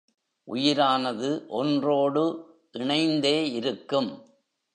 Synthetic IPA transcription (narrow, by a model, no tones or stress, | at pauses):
ʔʊjɪɾaːnɐðɯʔɔndroːɽɯ | ʔɪɳɐɪnd̪eːɪɾɯkːɯm